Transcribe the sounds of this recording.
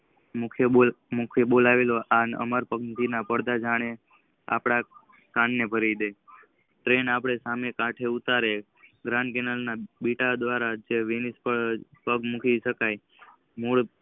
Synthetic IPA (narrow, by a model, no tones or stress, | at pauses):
mukʰeo | mukʰebolaʋeloʔanə̰məɾpəɡnt̪inapəɽd̪ad͡ʒaɽ̃e | a̰pɽ̃a | kãɳːepəɾid̪e | ʈɾenapɽ̃esamekãʈʰeut̪aɾe | ɡɾãɳɖkenəlnabiʈad̪ʋaɾad͡ʒeʋinispəpəɡmukʰiʃəkaj | muɭ